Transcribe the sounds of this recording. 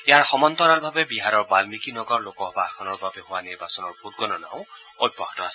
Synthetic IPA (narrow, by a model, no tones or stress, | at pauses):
jaɹxɔmɔnt̪ɔɹalbʱabɛbiɦaɹɔɹbalmikinɔɡɔɹlokɔɦɔbaːkʰɔnɔɹbʱabɛɦʊwaniɹbasɔnɔɹbʱut̚ɡɔnɔna̰ʊ̃ | od̚bɔɦɔtɔasɛ̥